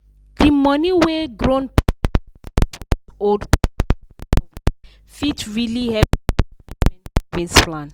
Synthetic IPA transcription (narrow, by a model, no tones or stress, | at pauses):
dimʌniweɡɹõn | ɔ | fitɹilihɛ | vĩnsplãn